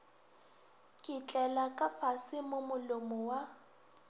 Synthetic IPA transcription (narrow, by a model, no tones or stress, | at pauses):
kʼɪt͡ɬʼɛlakʼafasɪmʊmʊlʊmɔwa